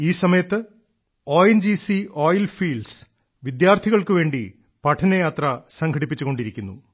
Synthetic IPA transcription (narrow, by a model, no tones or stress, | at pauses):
iːsɐmɐjɐt̪ːɨ | o̞ːjend͡ʑisio̞ːjlfiːlɖs | ʋid̪jaːrt̪ʰiɣɐɭkɨʋe̞ːɳɖi | pɐʈʰɐnɐjaːt̪rɐsɐŋkʰɐɽipːit͡ɕːuɣo̞ɳɖiɾikʲːunːu